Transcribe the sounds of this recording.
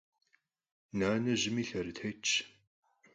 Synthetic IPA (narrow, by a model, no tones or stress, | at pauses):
naːnɐʑɪmiːɬɐɾɨtʰejt͡ʃʰʼ